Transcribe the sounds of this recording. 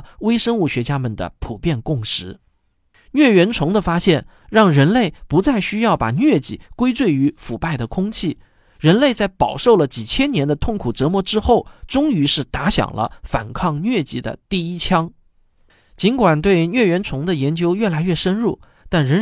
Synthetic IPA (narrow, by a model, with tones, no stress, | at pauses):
we˥ɪʂə˥nu˥˩ɕɥɛ˧˥t͡ɕja˥mə˨˩nd̪ə̰˩pʰu˨˩pjɛ˥˧nkʊ˥˩ŋʂɻ̩˧˥ | nɥɛ˥˩ɥɛ˧˥nt͡sʰʊ˧˥ŋd̪ə˧fa˥ɕjɛ˥˩n | ɻɑ˥˩ŋɻə˧˥nle˥˩ɪpu˧˥t͡sa˥˩ɪɕy˥jɑ˥˩ʊpa̰˨˩nɥɛ˥˧t͡ɕḭ˨˩kwe˥ɪt͡swe˥˩ɪy˧˥fu˨˩pa˥˩ɪd̪ə˩kʰʊ˥ŋt͡ɕʰi˥˩ | ɻə˧˥nle˥˧ɪt͡sa˥˩ɪpɑ˨˩ʊʂo˥˩ʊlə˩t͡ɕi˨˩t͡ɕʰjɛ˥njɛ˧˥nd̪ə˧t̪ʰʊ˥˩ŋkʰu˨˩ʈ͡ʂɤ˧˥mwɔ˧˥ʈ͡ʂɻ̩˥xo˥˩ʊʈ͡ʂʊ˥ŋy˧˥ʂɻ̩˥˩t̪a˧˥ɕjɑ̰˨˩ŋlʔə̰˦fa̰˨˩nkʰɑ˥˧ŋnɥɛ˥˧t͡ɕi˥˩d̪ə̰˦t̪i˥˩i˥t͡ɕʰjɑ˥ŋ | t͡ɕi˧˥nkwa˨˩nt̪̬we˥˧ɪnɥɛ˥˩ɥɛ˧˥nt͡sʰʊ˧˥ŋd̪ə˧jɛ˧˥nt͡ɕjo˥ʊɥɛ˥˩la˧˥ɪɥɛ˥˩ʂə˥nɻu˥˩ | t̪a˥˩nɻə˧˥